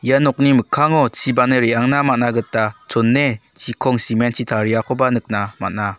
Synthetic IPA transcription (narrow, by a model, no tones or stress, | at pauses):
janɔk̚nimɯkʰːaŋɔt͡ʃibanɯɾiaŋnamat̚naɡɯtːat͡ʃɔnːet͡ʃikʰɔŋsiment͡ʃitʰaɾiakʰɔbanɯk̚nama̰t̚na